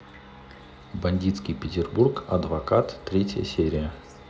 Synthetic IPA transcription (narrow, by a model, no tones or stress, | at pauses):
bɐnʲdʲit̪skʲɪjpʲɪtʲɪrburkɐ̰d̪vɐkat̪ːɾʲetʲjə̰sʲeɾʲɪjə